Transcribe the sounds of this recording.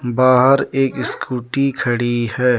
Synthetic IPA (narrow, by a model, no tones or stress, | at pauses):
baːɦəɾeːkɪskuːʈikʰɐɽihɛː